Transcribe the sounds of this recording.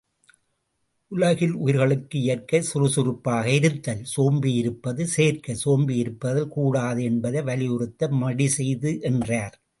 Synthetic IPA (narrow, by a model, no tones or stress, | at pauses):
ʔʊlɐɣɪlʊjɪɾɣɐɭɯkːɯɪjɐɾkɐsʊɾɯsʊɾɯpːaːɣɐɪɾɯt̪ːɐlsoːmbiɪɾɯpːɐðɯseːrkɐsoːmbijɪɾɯpːɐðɪlkuːɽaːðɯɛnbɐðɐɪʋɐlɪjʊɾɯt̪ːɐmɐɽisɛjðɯʔɛndraːɾ